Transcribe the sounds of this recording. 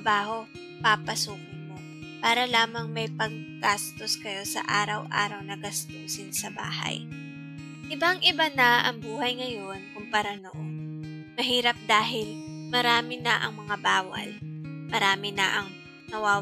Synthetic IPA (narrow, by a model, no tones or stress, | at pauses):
baːɦo̞ | papɐsuːkʊnmo̞ | paːɾɐlaːmɐŋmɐjpɐɡ̚ɡast̪o̞skɐjo̞sɐ̰ʔaːɾɐwʔa̰ːɾɐwnɐɡɐst̪uːsɪnsɐba̰ːhɐ̰j | ʔɪbaŋʔɪbanɐʔɐŋbuːhɐjŋɐjo̞nkʊmpɐɾanoʔon | mɐɦiːɾɐp̚d̪aːɦɪlmɐɾaːmɪnɐʔɐŋmɐŋabaːwɐ̰lmɐɾaːmɪnɐʔɐŋ | nɐwaː